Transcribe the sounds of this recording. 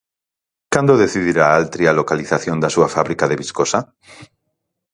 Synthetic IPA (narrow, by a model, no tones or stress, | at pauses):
kand̪oðeθiðiɾaalt̪ɾialokaliθaθjo̞nd̪asuafaβɾikaðe̞βiskosa